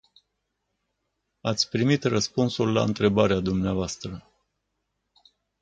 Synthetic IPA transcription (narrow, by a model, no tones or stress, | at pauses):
at̪sʲpɾimit̪rəspunsulːa̰ɨnt̪ɾe̞baɾead̪umneavoast̪ɾə